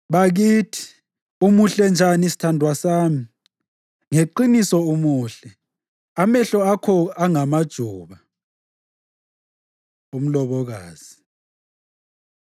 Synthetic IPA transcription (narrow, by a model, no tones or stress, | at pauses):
βaɣiːtʰi̥ | umuɬɛnd͡ʒʱanisi̥tʰandʱwasaːmi | ŋeǃinisɔumuːɬɛ | amɛɬɔakʰɔaŋamad̥ʒ̥ʱuːβa | um̩lɔβɔɣa̰ːz̥i